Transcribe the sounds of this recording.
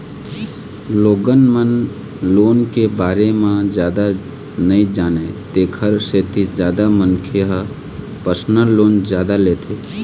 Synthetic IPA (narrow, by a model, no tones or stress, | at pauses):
loːɡənmən | loːnkebaːɾemãd͡ʒjaːd̪a | nəĩd͡ʒaːnet̪eːkʰəɾset̪ʰid͡ʒjaːd̪amənkʰeɦə | pəsnəlːoːnd͡ʒjaːd̪aleːt̪ʰeː